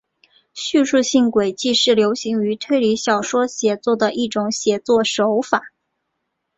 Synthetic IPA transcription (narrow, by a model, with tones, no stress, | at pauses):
ɕy˥˧ʂu˥˧ɕi˥˩ŋkwe˨˩ɪt͡ɕi˥˧ʂɻ̩˥˩ljo˧˥ʊɕi˧˥ŋy˧˥t̪ʰwe˥˧ɪli˧˥ɕjɑ˨˩ʊʂwɔ˥ɕjɛ˨˩t͡swɔ˥˩d̪ə˩ʔi˥˩ʈ͡ʂʊ˨˧˥ŋɕjɛ˨˩t͡swɔ˥˩ʂo˧˥ʊfa˨˩˦